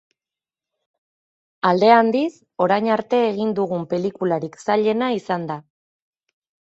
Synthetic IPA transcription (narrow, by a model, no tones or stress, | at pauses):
ald̪e̞and̪is | o̞ɾajɲaɾt̪e̞ːɣind̪uɣumpe̞likulaɾiksaʎe̞naisand̪a